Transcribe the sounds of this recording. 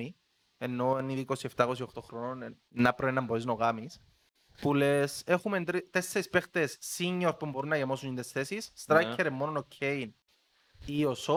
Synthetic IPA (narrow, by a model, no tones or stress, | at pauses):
i | enːo̞eniðiko̞sie̞ft̪akos̬iokt̪o̞xɾonone | nːɐpɾoenɐmboiznoɣamis | pulesexument̪ɾit̪esːeɾispext̪esːiɲːoɾpumbo̞ɾunːɐʝemosunind̪esθesisːt̪ɾajkːeɾemːononocʰːein | ioso